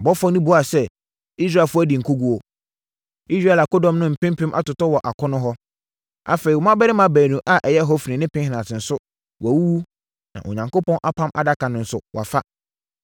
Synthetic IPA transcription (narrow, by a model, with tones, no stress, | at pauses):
bɔ˦fɔ˦nĩ˦bʊ˨a˨sɛ˦ | i˦s̬ɾaː˦˨fʊ˦æ˦di˨ŋ̩˨kʰo˦ɡu˦ɔ˨ | i˦sɾa˦ɛ˨la˨kɔ˦dɔ̃˦mnʊ̃˦m̩˨pɪ̃˦m˦pʰɪ̃˦mʔa̰˦tʊ˨tɔ˦wɔ˨ʔa˨kʰɔ̃˦nʊ̃˦ɦɔ˦ | a̰˦fe˨i˨ɔ˨mã˦bɛ˦ɾɪ˦mã˦bæː˨nũ˨ʔa˦ʔɛ˨jɛ˦ɦɔ˦fi˨nɪ̃˨nɪ̃˦pɪ̃˦hɪ̃˨nã˨tɪ̃˨n̩˨sʊ˦ | wæ˨wu˦wu˦ | nã̰˨ʔo̰˨ɲã˨ŋko˦pɔ̃˦nʔa˦pʰã˦mʔa̰˨da˦kʰã˨nʊ̃˨n̩˨sʊ˦wʔa̰˨fa˦